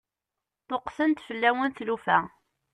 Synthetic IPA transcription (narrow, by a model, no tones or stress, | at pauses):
t̪oqsənt̪fəlːæwənθlufæ